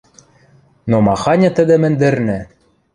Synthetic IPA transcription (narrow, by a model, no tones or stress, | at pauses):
nomɑxɑnʲɤ̆t̪ɘ̆d̪ɘ̆mɘ̆nd̪ɘ̆rnɘ̆